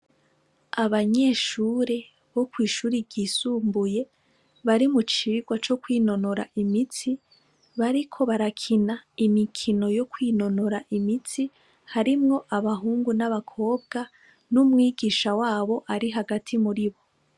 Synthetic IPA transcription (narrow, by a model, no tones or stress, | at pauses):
aβaɲe̞ːʃuːɾe̞ | βo̞kwiːʃuːɾiɟiːsuːmbuje̞ | βaɾimut͡ʃiɡwat͡ʃo̞kwiːno̞noɾa̰ʔimit͡si | βaɾikʰo̞βaɾakʰinaimikʰino̞jo̞kwiːno̞noɾaʔimit͡si | haɾimŋo̞ʔaβaɦuːŋɡunaβakʰo̞ːb̚ɡa | numŋiːɡiːʃawaːβo̞ʔaɾiɦaɡatʰimuɾiβo̞